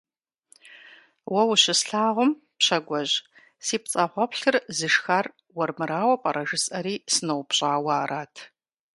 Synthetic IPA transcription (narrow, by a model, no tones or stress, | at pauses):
wɐwɕɪsɬaːʁʷʊm | pɕɐɡʷɔʑ | siːpt͡sʼɐʁʷɔpɬɨrzɨʃxar | wɔrmɨɾaːwɐpʼɐɾɐʒɨsʼɐɾiːsɨnɐwpɕʼaːwaːɾaːtʰ